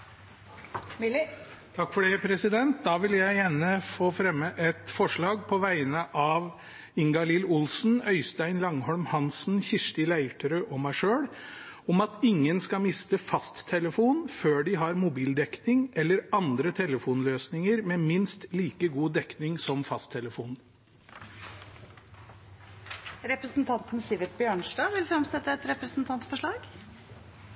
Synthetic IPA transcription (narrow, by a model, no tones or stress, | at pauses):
t̪ʰɑkːfɔɖɛpʰɾɛsɪd̪ɛnt̪̚d̪ɑːʋɪljæɪjæːɳəfoːfɾɛmːəʔɛt̪fɔʂɭɑːɡ̚pʰɔʋæɪnəʔɑʋ | ɪŋɡɑlɪlʊlsn̩œʏst̪æɪnlɑŋhɔɭmhɑnsn̩çɪʂʈɪlæɪʈʰəɾəʔɔmæɪʂøːɽ | ɔmɑt̪ɪŋːənskɑmɪst̪əfɑst̪ʰːɛləfuːnføːɖɪɦɑɾmʊbiːld̪ɛknɪŋɛlːəɾɑnd̪ɾət̪ʰɛləfuːnløːsnɪŋəɾmɛːmɪnst̪liːkəɡuːd̪ɛknɪŋsɔmfɑst̪ʰːɛləfuːn | ɾɛpɾəsn̩t̪ʰɑnt̪n̩sɪʋɪt̪̚bjøːɳʂɖɑːʋɪlfɾɛmsɛt̪ːəɛt̪ɾɛpɾəsn̩t̪ʰɑnt̪sfɔʂɭɑːɡ